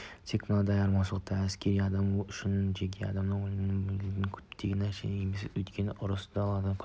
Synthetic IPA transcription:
t̪ʰekʲmɪnɑd̪ɑjɑɾmɑnʃlˠəq̚t̪ːɑæskʲʰeɾijɑd̪ɑmʏʃɪnʒeɡʲʰeɑ̰d̪ɑmnɨŋwolɪɪnɪŋbɪd̪ʲɪŋkʲʰɵ̥pt̪ʰeɡʲɪnæɾʃḛɪemeseɵjt̪kʲʰe̞nɪʔʊɾʊsd̪ɑlˠɑd̪ɑnkʲʰ

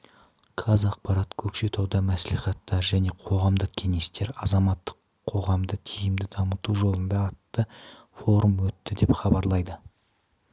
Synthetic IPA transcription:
kʰɑzɑq̚pɑɾɑt̪kʲʰɵkʃe̞t̪ʰɑwd̪ɑmæsliχɑt̪ːɑɾʒæne̞qʰo̞ʁɑmd̪əqkʲʰe̞ŋe̞st̪e̞ɾɑzɑmɑt̪ːə̥qʰːo̞ʁɑmd̪ət̪ʰijɪmd̪ɪd̪ɑmət̪uʒo̞lˠənd̪ɑːt̪ːə | fo̞ɾumwɵt̪ːɪd̪e̞pχɑbɑɾlˠɑjd̪ə

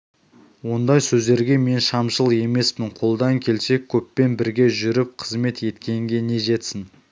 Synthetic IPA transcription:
wo̞nd̪ɑjsɵzd̪e̞ɾɡʲe̞me̞nʃɑmʃəlˠe̞me̞smɪɴqʰo̞lˠd̪ɑŋkʲʰe̞lse̞kʲʰːɵpːe̞nbɪɾɡʲe̞ʒʏɾɪp̚qʰəzme̞t̪je̞t̪kʲe̞ŋɡʲe̞ne̞ʒe̞t̪sɪn

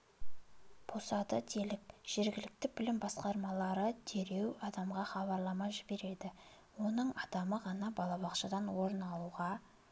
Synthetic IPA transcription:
b̥ʰosɑd̪əd̪ʰe̞lɪk̚ʒ̥e̞ɾɡʲɪlɪk̚t̪ɪbɪlɪmbɑsqɑɾmɑlˠɑɾəd̪ʰe̞ɾe̞wɑd̪ɑmʁɑχɑβɑɾlˠɑmɑʒɪbe̞ɾe̞d̪ɪ | wo̞nəɴɑd̪ɑməʁɑnɑbɑlˠɑbɑqʃəd̪ɑnwo̞ɾənɑlˠuʁɑ

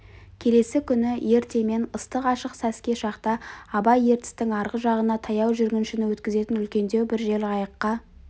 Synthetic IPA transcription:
kʲʰe̞le̞sɪkʲʰʏnɪje̞ɾt̪e̞me̞nəst̪əqɑʃəqsæskʲe̞ʃɑqt̪ɑːbɑje̞ɾt̪ɪ̥st̪ɪŋɑɾʁəʒɑʁənɑt̪ʰɑjɑwʒʏɾɡʲɪnʃɪnɪwɵt̪kʲɪze̞t̪ɪnʏlkʲe̞nd̪e̞wbɪɾʒe̞lɪɑjəqːɑ

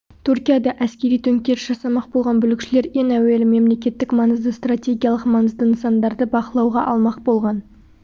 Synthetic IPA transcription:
t̪ʰuɾkʲijad̪ɑʔæskʲe̞ɾijt̪ʰɵŋkʲe̞ɾʒ̥ɑsɑmɑq̚bo̞lˠʁɑnbʏlɪkʲʃɪle̞ɾjeŋæwe̞lɪme̞mle̞kʲe̞t̪ːɪkmɑnəzd̪əst̪rat̪ʲeɡʲijalˠəqmɑnəzd̪əɪnsɑnd̪ɑɾd̪əbɑqəlˠɑwʁɑʔɑlˠmɑq̚bo̞lˠʁɑn

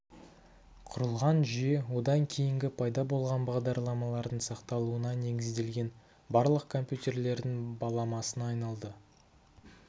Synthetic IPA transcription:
qʰʊɾəlˠʁɑnʒʏje̞wo̞d̪ɑŋkʲʰe̞jɪŋɡʲɪpʰɑjd̪ɑbo̞lˠʁɑnbɑʁd̪ɑɾlˠɑmɑlˠɑɾd̪əɴsɑqt̪ɑlˠuənɑne̞ɡʲɪzd̪e̞lɡʲe̞n | bɑɾlˠəqkʰo̞mpjut̪e̞rle̞ɾd̪ɪŋbɑlˠɑmɑsənɑjnɑlˠd̪ə

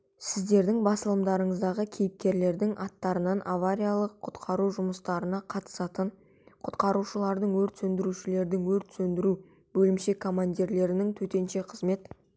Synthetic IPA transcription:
sɪzd̪e̞ɾd̪ɪŋbɑsəlˠəmd̪ɑɾəɴəzd̪ɑʁəkʲʰejɪp̚kʲe̞ɾle̞ɾd̪ɪŋʔɑt̪ːɑɾənɑnʔavaɾʲijalˠəqʰʊt̪qʰɑɾuʒʊməst̪ɑɾənɑqʰɑt̪ə̥sɑt̪əɴ | qʰʊt̪qɑɾuʃəlˠɑɾd̪əɴwɵɾt̪sɵnd̪ɪɾuʃɪle̞ɾd̪ɪŋwɵɾt̪sɵnd̪ɪɾu | bɵlɪmʃe̞kʰo̞manʲd̪ʲiɾle̞ɾɪnɪŋt̪ʰɵt̪e̞nʃe̞qʰəzme̞t̪

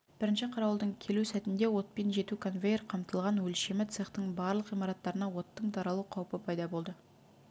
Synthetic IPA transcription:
b̥ɪɾɪnʃɪqʰɑɾɑwəlˠd̪əɴkʲʰe̞lusæt̪ɪnd̪e̞wo̞t̪̚pe̞nʒe̞t̪ukʰo̞nvʲejrqʰɑmt̪əlˠʁɑnwɵlʃe̞mɪt̪seχt̪əɴbɑɾlˠəqijmɑɾɑt̪ːɑɾənɑwo̞t̪ːəɴt̪ʰɑɾɑlˠuqʰɑwpəpʰɑjd̪ɑbo̞lˠd̪ə

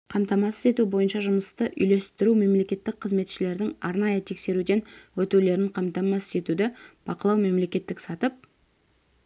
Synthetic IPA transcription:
qʰɑmt̪ɑmɑsə̥ze̞t̪ubo̞jənʃɑʒʊməst̪əʔʏjle̞st̪ɪɾume̞mle̞kʲe̞t̪ːɪk̚qʰəzme̞t̪ʃɪle̞ɾd̪ɪŋɑɾnɑjət̪ʰe̞kse̞ɾud̪e̞nwɵt̪ule̞ɾɪɴqʰɑmt̪ɑmɑse̞t̪ud̪ɪb̥ɑqəlˠɑwme̞mle̞kʲe̞t̪ːɪksɑt̪əp̚

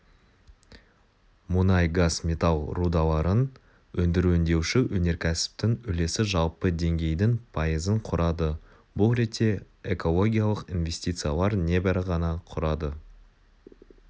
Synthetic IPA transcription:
mʊnɑjɡasmʲet̪alˠrud̪ɑlˠɑɾən | wɵnd̪ɪɾuɪnd̪e̞wʃɪwɵne̞ɾkʲʰæsɪ̥p̚t̪ɪŋɵle̞sɪʒɑlˠpəd̪e̞ŋɡʲe̞jd̪ɪŋpʰɑjəzəɴqʰʊɾɑd̪ə | bʊlˠɾe̞t̪ːe̞ | eko̞lˠo̞ɡʲijalˠəqinvʲe̞sʲt̪it̪sɨjalˠɑɾne̞bæɾɪʁɑnɑqʰʊɾɑd̪ə

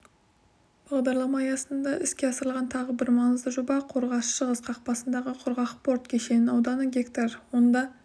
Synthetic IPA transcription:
b̥ɑʁˠd̪ɑɾlˠɑmɑjɑsənd̪ɑʔɪskʲe̞ɑsəɾəlˠʁɑnt̪ʰɑʁəbɪɾmɑŋəzd̪əʒobɑqʰo̞ɾʁɑʃʃəʁəsqʰɑq̚pɑsənd̪ɑʁəqʰʊɾʁɑqpo̞ɾt̪kʲʰe̞ʃe̞nɪnɑwd̪ɑnəɡʲekt̪ɑɾwo̞nd̪ɑ

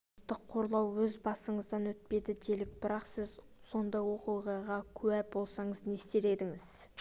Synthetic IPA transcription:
t̪əqʰːo̞ɾlˠɑwwɵzbɑsəɴəzd̪ɑnwɵt̪̚pe̞d̪ɪd̪e̞lɪk̚b̥ɪɾɑqsɪz | so̞nd̪ɑjwo̞qujʁɑjʁɑkʲʰʉwæbo̞lˠsɑɴəzne̞st̪e̞ɾe̞d̪ɪŋɪz̥

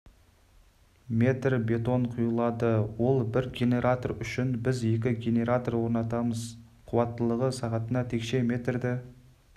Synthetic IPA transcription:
mʲe̞t̪rbe̞t̪o̞ɴqʰʊjəlˠɑd̪əwo̞lˠbɪɾɡʲe̞ne̞ɾat̪orʏʃɪnbɪzje̞k̬ʲɪɡʲe̞ne̞ɾat̪orwo̞ɾnɑt̪ɑməz | qʰʊwɑt̪ːəlˠəʁəsɑʁɑt̪ənɑt̪ʰe̞kʃe̞me̞t̪rd̪ɪ

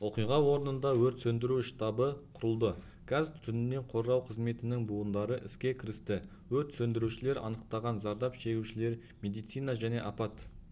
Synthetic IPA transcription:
woqijʁɑwo̞ɾənənd̪ɑwɵɾt̪sɵnd̪ɪɾuʃt̪ɑbəqʰʊɾəlˠd̪ə | kʲʰɑzt̪ʰʏnɪnːe̞ɴqʰo̞ɾʁɑwqʰəzme̞t̪ɪnɪŋbuənd̪ɑɾəʔɪskʲe̞kʲʰɪɾɪst̪ɪ | wɵɾt̪sɵnd̪ɪɾuʃɪle̞ɾɑ̰nəqt̪ɑʁɑnzɑɾd̪ɑpʃe̞ɡʲuʃɪle̞ɾ | mʲe̞d̪ijt̪sijnɑʒæne̞ʔɑpɑt̪

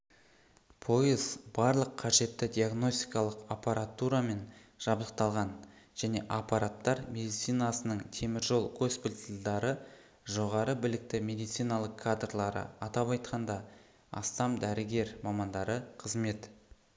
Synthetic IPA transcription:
pʰo̞jəzb̥ɑɾlˠəqʰːɑʒe̞t̪ːɪd̪ʲijaɡno̞st̪ijkɑlˠəqapaɾat̪uɾame̞nʒ̥ɑblˠəq̚t̪ɑlˠʁɑnʒ̥æne̞ʔapaɾat̪ːɑɾme̞d̪ijt̪sijnasənəɴt̪ʰe̞mɪɾʒo̞lˠkʰospɪlt̪ld̪ɑɾə | ʒo̞ʁɑɾəbɪlɪk̚t̪ɪmʲe̞d̪ijt̪sijnɑlˠəqʰːad̪rlˠɑɾə̰ɑt̪ɑpɑjt̪qʰɑnd̪ɑ | ɑ̰st̪ɑmd̪æɾɪɡʲe̞ɾmɑmɑnd̪ɑɾəqʰəzme̞t̪

